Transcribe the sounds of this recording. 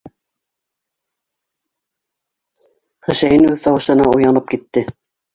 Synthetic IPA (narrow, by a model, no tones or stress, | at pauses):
χɘ̆ʃæjɘnʉðt̪ɑwɤ̆ʃɤ̆nɑujɑnɤp̚kit̪ːɘ